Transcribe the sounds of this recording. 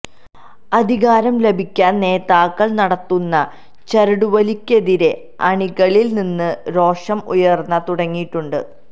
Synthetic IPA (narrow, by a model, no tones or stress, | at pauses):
ɐd̪ʱiɣaːɾɐmle̞bʱikʲːaːnːe̞ːt̪aːkːɐɭnɐɽɐt̪ːunːɐ | t͡ɕɐɾɐɽuʋɐlikʲːe̞ðiɾe̞ | ɐɳiɣɐɭilninːɨɾo̞ːʂɐmṵjɐrnːɐt̪uɽɐŋːijiʈːuɳɖɨ̰